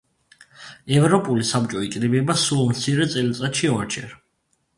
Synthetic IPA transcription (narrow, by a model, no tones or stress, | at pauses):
ɛvɾɔpʼulisab̚t͡ʃʼɔikʼɾibɛbasulˠmt̪sʰiɾɛt̪sʼɛlt̪sʼat̪ʃiaɾt͡ʃʰɛɾ